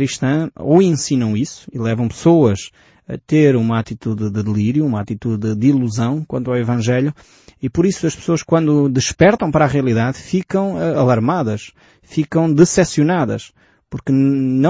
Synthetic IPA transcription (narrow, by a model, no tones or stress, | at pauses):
ɾiʃt̪ɐ̃oẽsinɐ̃w̃isu̥ilˠɛvɐ̃w̃pɨ̥soɐʃ | ɐ̰t̪eɾumɐat̪it̪uðd̪ɨðɨlˠiɾjuumat̪it̪uðɨd̪ilˠuzɐ̃w̃kwɐ̃nt̪awivɐ̃ʒɛʎu | ipɔɾisuɐʃpsoɐʃkwɐ̃nd̪ud̪ɨʃpɛɾt̪ɐ̃w̃pɐɾaʁiɐlˠiðaðfikɐ̃w̃ɛɐlˠɐɾmaðɐʃ | fikɐ̃w̃d̪ɨsɛsjunaðɐ̰ʃ | puɾknɐ̃